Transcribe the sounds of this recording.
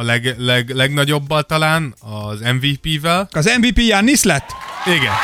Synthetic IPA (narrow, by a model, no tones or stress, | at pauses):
lɛɡlɛɡlɛɡnɒɟo̞bːɒlt̪ɒlaːnɒzɛɱviːpiːvɛlɒzɛɱviːpiːjaːnːislɛt̪ːiɡɛn